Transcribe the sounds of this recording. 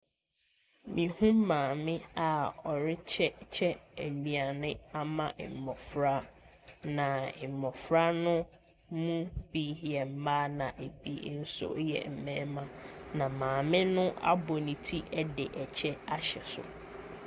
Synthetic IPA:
mĩ˨hũ˦mmãː˨mɪ̃˦a˨ɔ˨ɾɪ˦t͡ɕʰɛ˦t͡ɕʰɛ˦e˨nĩ˨a˨nɪ̃˦a˦mã˦˨ʔɪ̰˨m˨mɔ˨fɾa˦ | nã˨ɪ˨mːɔ̃˨fɾa˦nʊ̃˦ | mũ˦b̥i˦ɦɛ˨m̩˦maː˦nã˨ʔe˨bḭ˦n̩˦sʊ̰˦jɛ̰˨m̩˨mɛ̃ː˦mã˦nã˨mãː˨mɪ̃˦nʊ̃˦ʔa̰˦bɔ˨nĩ˨tʰi˦ʔɛ˦dɪ˨ʔɛ˨t͡ɕʰɛ˦a˦ɕɛ̰˨sʊ̰˨

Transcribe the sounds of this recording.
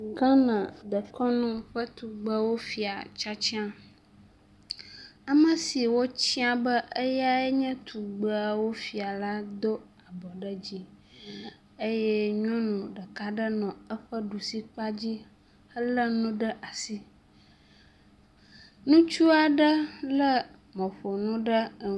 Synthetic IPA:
ɡã˦nã˨ɖə˨kɔ˦nũ˦ɸə˦t̪u˨ɡ͡bə˦wo˦fi˨a̰˨t͡ʃa˦t͡ɕi˦ã˨ | a˨mə̃˨si˨wo˦t͡ɕi˦a˦bə˦ʔe˦ja˦ɛ˦ɲɛ̃˦t̪ʰu˨ɡ͡bə˦a˨wo˦fi˨a˨la˦d̪o˦ | a˨bɔ˨ɖə˦d͡ʑi˦ | e˦jɛ˦ɲɔ̃˦nũ˨ɖə˨ka˦ɖə˦nɔ̃˨ə˦ɸə˦ɖu˨si˦k͡pa˦d͡ʑi˦ | ə˦lə˦nũ˦ɖə˦ʔa˨si˦ | nũ˦t͡ʃu˦a˨ɖə˦lə˦ | mɔ̃˨ɸo˨nũ˦ɖə˦˨

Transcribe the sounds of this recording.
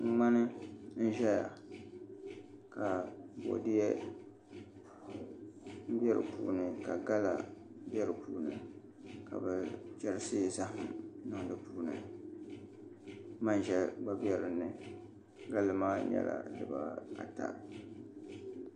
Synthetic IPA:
ŋ̩˦ŋ͡ma˦nɨ˦n̩˦ʒɛ˦ja˨ | ka˨bo̰˨dɪ˦jɛ˦ | m̩˦bɛ˦ɾɨ̰˨pṵː˦˨nɨ˨ka˨ɡa˦la̰˨˦ | bɛ˦ɾɨ˨puː˦nɨ˨ | ka̰˨bɛ˨t͡ʃɛ˨ɾɨ˦sɪ˦˨za˦hɨ˨mnɨ˦ŋ˦dɨ˦puː˦nɨ̰˨ | ma˦nʒɛ˦ɡ͡ba˦bjɛ˦ɾɨ˨nːɨ˨ | ɡa˦lɨ˨maː˦ɲɛ̰˦la̰˨dɨ˨ba˦a̰˨ta̰˨ɾ

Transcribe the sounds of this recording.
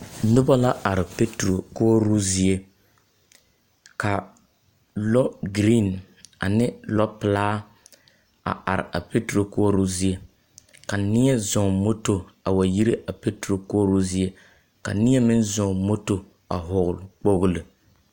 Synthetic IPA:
nʊ˦ba˦la˦a˨ɾɪ˨pe˦tɾo˨ko˦ɾu˦zi˦e˦ | ka˨ | lɔ˦ɡɾi˦˨n | a̰˨nɪ˦lɔ˦pɨ˨laː˦ | a̰˨ʔa˨ɾɪ̰˨ʔa˨pe˦tɾo˨ko˦ɾu˦zi˦e˦ | ka˨nɪ˦ɛ˦zɔ˨mo˦to˨a˨wa˨ji˦ɾɨ˦ʔa˨pe˦tɾo˨ko˦ɾu˦zi˦e˦ | ka̰˨nɪ˦ɛ˦mɪ˦n˦zɔ˨mo˦to˨ | a̰˨ɦʊ˨ɣʊ˨lʊ˨k͡po˦ɣʊ˦lɨ˨

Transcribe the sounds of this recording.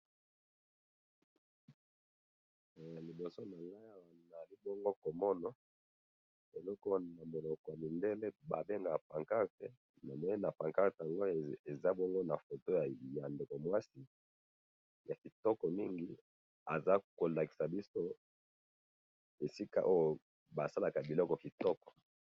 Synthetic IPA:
li˨bo˨so˦na˨la˦ja˨wna˨li˦bɔ˦ŋɡo˦ko˨mɔ˦nɔ˦ | e˨lɔ˦ko˦na˨mo˨lɔ˨kɔ˨ja˨li˨nde˦le˦ba̰˨be˦ŋɡa˨ja˨pa˨ŋka˦ʁte˦ | na˨me˨˦na˨pa˨ŋka˦˨te˨a˨ŋɡo˦e˨za˦bɔ˦ŋɡo˦na˨fo˨to˦ja˨ja˨nde˨kɔ˨mwa˦si˨ | ja˨ki˨tɔ˦kɔ˨mi˦ŋɡi˦ | a˨za˦ko˨la˨ki̥˨sa˨bi˦so˦ | e˨si˦ka̰˨ʔo˦jo˨ | ba˨sa˦la˨ka˨bi˨lɔ˦kɔ˨ki˨tɔ˦kɔ̥˨

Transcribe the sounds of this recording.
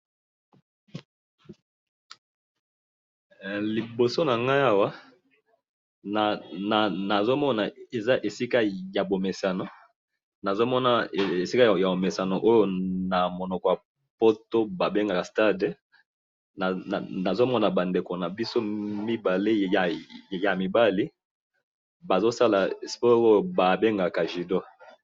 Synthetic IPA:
li˨bo˨so˦na˨ŋɡa˦a˦wa˦˨ | na˨na˨zo˦mɔ˦na˨e˨za˦ʔe˨si˦ka˦ja˨bo˨me˨sa˨no˨ | na˨zo˦mɔ˦na˦˨e˨si˦ka˦˨ja˨bo˨me˨sa˨no˨ʔo˦jo˦na˨mo˨nɔ˨kɔ˨ja˨ | po˦to˦ba˨be˦ŋɡa˨ka˨sta˦de˨ | na˨na˨zo˦mɔ˦na˨ba˨nde˨ko˨na˨bi˦so˦mi˦ba˨le˦˨ja˨mi˨ba˦li˦ | ba˨zo˦sa˦la˨spɔ˦o˦˨ba˨be˦ŋɡa˨ka˨ʒi˨do˦

